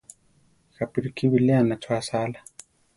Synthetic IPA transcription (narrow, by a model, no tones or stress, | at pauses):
xapiɾikʰiwilɛanat͡ʃwasala